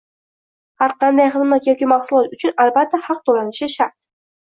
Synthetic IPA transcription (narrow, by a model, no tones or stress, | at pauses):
haɾqʰɑnd̪ajχɨzmat̪jɒkʲimɑχsʊlˠɒt̪ʊt͡ʃʰʊnalbat̪ʰːahɑq̚t̪ʰolanɪʃɪʃaɾt̪̚